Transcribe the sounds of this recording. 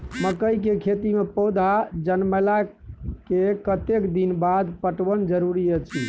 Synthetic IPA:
məkəjkekʰet̪imepɔd̪ʱad͡ʒənməla | kekət̪ekd̪inbad̪pəʈʋənd͡ʒəɾuɾijət͡ʃʰḭ

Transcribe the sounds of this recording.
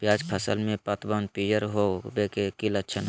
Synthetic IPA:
pjaːd͡ʒpʰəsə̰lmẽpət̪bənpijəɾɦobekekilətːt͡ʃʰənɦ

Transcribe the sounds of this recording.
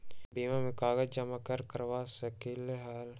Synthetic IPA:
biːmamekaːɡɐd͡ʒɐmakɐɾkəɾʋaːsɐkileɦaːl

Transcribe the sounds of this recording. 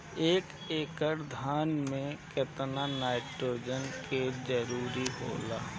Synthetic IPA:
eːk | eːkəɾd̪ʱaːnmẽkɪt̪nanaːɪʈɾoːd͡ʒənkʰed͡ʒəɾuːɾiɦo̰ːlaː

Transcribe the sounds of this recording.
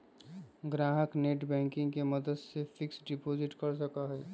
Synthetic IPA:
ɡɾaːɦəkneːʈbɛ̃ːŋkɪ̃ŋɡkemɐd̪əd̪sefʰɪksɖɪpoːd͡ʒɪʈkɐɾs̬əkaɦɛː

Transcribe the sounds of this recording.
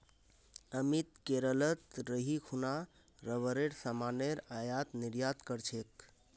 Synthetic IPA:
əmit̪̚keɾələt̪ɾəɦikʰuna | ɾəβəɾeɽsamaneɾajat̪niɾjat̪kəɾt͡ʃʰek̚

